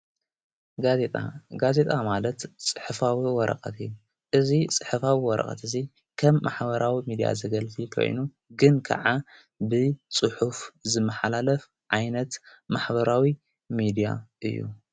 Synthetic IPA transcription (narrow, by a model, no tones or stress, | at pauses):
ɡazet̪ʼa̰ɡaze̞t̪ʼamalɐt̪t͡sʼɨħɨfawiwɔɾʔɐ̰kʼɐt̪ʰɨjːu | ʔɨzit͡sʼɨ̥ħɨfawiwɔɾʔɐ̰χʼɐ̰t̪ʰɨzi | kʰɐmːaħbɐɾawimid̪ija̰zɨɡɐlfikʰo̰jnu | ɡɨnkʰa̰ʕa | bɨt͡sʼɨħufzɨmːɐħalalɐf | ʕajnɐt̪maħbɐɾawi | mid̪ija̰ʔɨ̰jːṵ